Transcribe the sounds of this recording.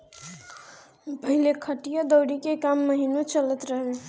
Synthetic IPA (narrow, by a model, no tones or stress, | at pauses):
pəɦilekʰəʈijəd̪əwɾikekamːəɦinot͡ʃələt̪ɾəɦe